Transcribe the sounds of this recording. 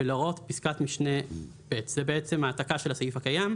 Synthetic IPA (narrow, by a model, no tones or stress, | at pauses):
elaʁo̞t̪piskat̪miʃne | b̥etz̥ebeet͡semaːtakaʃe̞lhasajifhakajam